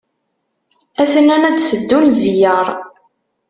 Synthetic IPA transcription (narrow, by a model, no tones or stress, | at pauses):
æθənænæd̪səd̪ːunzjəɾˤ